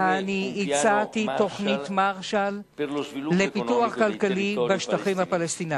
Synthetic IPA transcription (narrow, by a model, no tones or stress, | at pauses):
aniːt͡satito̞χnitmaʁʃalː | epit̪uaχkalkalibaʃt̪aχimhapalest̪ina